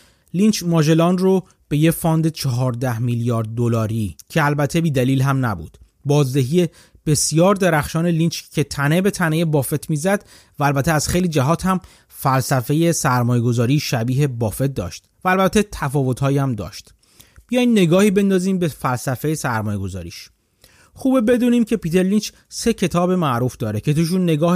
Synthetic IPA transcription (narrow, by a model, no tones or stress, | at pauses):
lint͡ʃmɒːʒe̞lɒːnro | b̥e̞jefɒːnd̪et͡ʃʰɒɦɒːɾd̪æhmiljɒːɾd̪̚ːolɒːɾiːcʰe̞ælbæt̪ʰebiːd̪æliːlɦæmnæbṵːd̪̥ | bɒːzd̪e̞ɦiːje̞ | b̥e̞sijɒːɾd̪eɾæxʃɒːne̞liːnt͡ʃcʰet̪ʰæne̞be̞t̪ʰæneje̞bɒːfe̞t̪ʰmiːzæd̪ | væːlbæt̪ʰeæz̥xejliːd͡ʒæɦɒːt̪hæm | fælsæfe̞je̞sæɾmɒːje̞ɡo̞zɒːɾiːʃæbiːɦe̞bɒːfe̞t̪̚d̪ɒ̰ːʃt̪væːlbæt̪ʰːe̞t̪ʰæfɒːvo̞t̪ʰhɒːjiæmd̪ɒ̰ːʃt̪ | b̥ijɒjd̪nːe̞ɡɒːhiːbe̞nd̪ɒːziːmbe̞fælsæfe̞jesæɾmɒːjeɡo̞zɒ̰ːɾḭːʃ | xuːbebe̞d̪uːniːmcʰe̞piːt̪ʰe̞ɾlint͡ʃ | se̞cʰe̞t̪ʰɒːbe̞mæʔɾuːfd̪ɒːɾecʰe̞t̪uʃ̬unːe̞ɡɒːh